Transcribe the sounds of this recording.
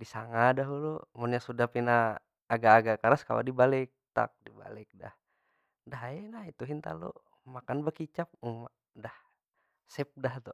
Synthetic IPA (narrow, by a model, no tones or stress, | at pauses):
disaŋadaɦulumunɲasudapinaː | ɡaːɡakaɾaska̰la̰dibalɪk̚t̪a̰k̚diba̰lɪk̚da̰h | daɦaenait̪uɦint̪a̰lṵ | makanbakit͡ʃap̚uma | dah | sɛp̚daht̪u